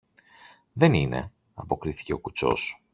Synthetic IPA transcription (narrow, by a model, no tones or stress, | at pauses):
ðe̞nine̞̰ | ɐpo̞kɾiθi̥ce̞o̞kut͡so̞̰s